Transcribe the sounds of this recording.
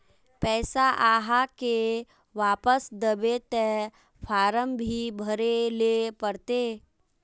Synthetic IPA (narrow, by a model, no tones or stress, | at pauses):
pɛːsaʔaːɦake | ʋaːpəsd̪əbet̪ɛ | fʰaːɾəmbʱibʱəɾelepəɾt̪eː